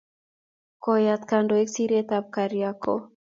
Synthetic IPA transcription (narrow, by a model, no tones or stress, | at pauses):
kɔjat̪kandoeksiɾet̪ap̚kaɾiako̰